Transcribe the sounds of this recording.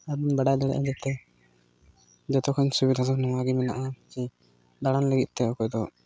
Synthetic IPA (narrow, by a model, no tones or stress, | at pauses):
abunbaɖajd̪ɔɽɛ̰ʔa̰d͡ʒɛt̪ɛ | d͡ʒɔt̪ɔkʰɔɲsubid̪ʱasɔknɔwaɡimɛna̰ʔat͡ʃi | d̪aɽanləɡit̪̚ˀt̪ɛɔkɔjd̪ɔ